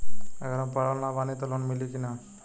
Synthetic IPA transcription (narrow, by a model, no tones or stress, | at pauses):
əɡəɾampəɽalnabanit̪ɔlonmilikina